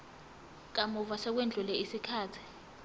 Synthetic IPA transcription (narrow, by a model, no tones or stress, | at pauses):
k̬amuvasɛk̬wend͡ɮʱulɛisikʰaːtʰi̥